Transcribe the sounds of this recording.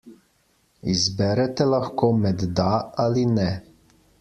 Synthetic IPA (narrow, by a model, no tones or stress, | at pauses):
izbɛɾɛt̪ɛlaxkoːmɛd̪d̪aalinɛ